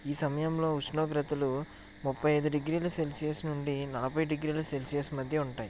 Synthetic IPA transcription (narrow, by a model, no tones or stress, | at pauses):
iːsɐmɐjɐmlo̞ːusnoːɡɾɐt̪ɐlu | mupːɐjɐjd̪uɖiɡɾiːlɐselsijɐsnuɳɖinɐlɐpɐjɖiɡɾiːlɐselsijɐsmɐd̪ʱjɐuɳʈaːji